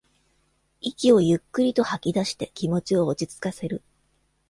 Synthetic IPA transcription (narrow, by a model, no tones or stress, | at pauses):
ikʲio̞jɯ̟kːɯ̟ɾʲit̪o̞hakʲid̪aɕi̥t̪e̞kʲimo̞t͡ɕio̞ːt͡ɕit͡sɨ̥kase̞ɾɯ̟